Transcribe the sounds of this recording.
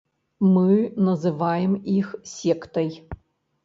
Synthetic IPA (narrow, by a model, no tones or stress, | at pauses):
mɨnɐzɨvajɛmixsʲekt̪ɐj